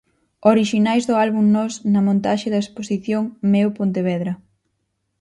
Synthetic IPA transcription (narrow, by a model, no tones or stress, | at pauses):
oɾiʃinajzðʊalβuŋnɔsnɐmõnt̪aʃeðɐesposiθjoŋmewpont̪eβɛðɾɐ